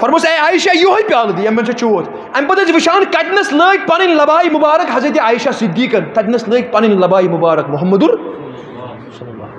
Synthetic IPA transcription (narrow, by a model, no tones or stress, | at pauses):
fɐɾmoseaːjʃajoɦɐjpʲaːld̪ijɐmmːɐnt͡ʃʰɐt͡ʃoːt̪ | ɐnʲpɐt̪ɐt͡siʋiʃaːnkɐt̪ʲnɐsləːk̚ʲpɐnɐnʲlɐbaːimubaːɾɐkɦɐzɾet̪jaaːjʃasid̪ːiːkɐnk̪ɐt̪ʲnɐsləːk̚pɐninlɐbaːimubaːɾɐkmuɦɐmːɐd̪uɾ